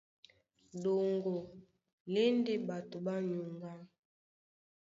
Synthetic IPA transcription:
do˨ŋɡo˨ | le˦nde˦ba˨to˨ba˦ɲu˨ŋɡa˦

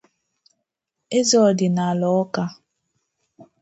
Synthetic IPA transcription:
e˦zɔ˨dɪ˨na˨lɔ˨ɔ˦ka˦

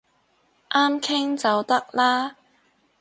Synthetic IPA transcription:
ʔaː˥mkʰɪ˥ŋt͡sɐ˨wt̪ɐ˥k̚laː˥

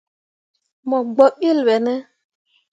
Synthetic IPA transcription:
mɔ˨ɡ͡bɔ˨ɓi˦lwɛ˨nɛ˦

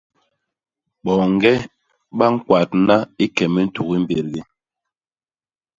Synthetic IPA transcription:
ɓɔ˨ŋ̩˦ɡɛ˦ | ɓa˦ŋ̩˦kwa˨t̚na˦i˦kɛ˨mɛ˦n̩˦tu˨ɣi˦m̩˦be˨ɾɡi˦

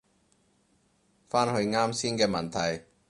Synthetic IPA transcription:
faː˥nhɵ˧ɥŋaː˥msiː˥nkɛː˧mɐ˨˩nt̪ʰɐ˨˩j

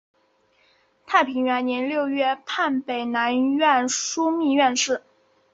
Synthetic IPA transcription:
t̪ʰa˥˩ɪpʰi˧˥ŋɥɛ˧˥nnjɛ˧˥nljo˥˧ʊɥɛ˥˧pʰa˥˩npe˨˩ɪna˧˥nɥɛ˥˩nʂu˥mi˥˧ɥɛ˥˧nʂɻ̩˥˩

